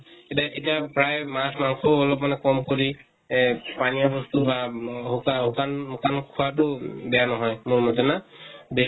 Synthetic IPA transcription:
etaʔetijapɹajmasmaŋkʰɔɔlɔp̬manɛkɔmkoɹi | panijabɔstubaɦukaɦukanukankʰuwat̬ʊbɛjanɔɦɔjmʊɹmɔdɛnabe

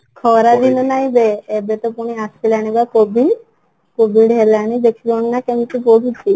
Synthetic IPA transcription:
kʰɔɾad̪inɔnajbeːbet̪ɔpuɽ̃iasilaɽ̃ibakobʱi | kobiɖɦelaɽ̃id̪ekʰibɔɳinakɛmit̪iboɦitʰi

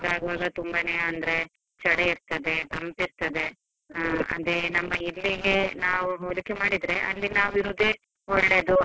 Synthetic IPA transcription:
ɾaːɡɐʋaːɡɐt̪umbɐneːɐnd̪ɐɾe̞ | t͡ʃɐɽeiɾt̪ɐd̪e̞t̪ɐmpiɾt̪ɐd̪e̞ | ɐ̰d̪enɐmːɐilːiɡe̞naːʋuɦoɾukemaːɽid̪ɾe̞ʔɐ̰lːinaːʋiɾuːd̪e | ɦɔɭːe̞ːd̪u

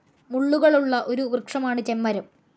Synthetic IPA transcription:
muɭːuɣɐɭuɭːɐʔo̞ɾuʋrɨkʂɐmaːɳɨt͡ɕemːɐɾɐm

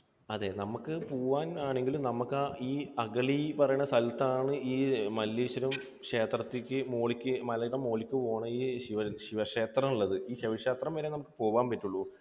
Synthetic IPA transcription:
ɐðe̞ːnɐmukːɨpoːʋaːnaːɳe̞ŋɡilumnɐmukːaiːɐɡɐɭipɐrɐjuɳːɐsɐlt̪ːaːɳɨiːmɐlːiːɕɐɾum | ʂe̞ːt̪rɐt̪ːikʲːɨmoːɭikʲːɨmɐlɐɾɐmːo̞ːɭikʲːupo̞ːɳɐiːɕiʋɐɕiʋɐʂe̞ːt̪rɐmuɭːɐðɨiːɕiʋɐʂeːt̪rɐmʋeːɾenɐmukːɨpoːʋaːnpɐtːuɭːu

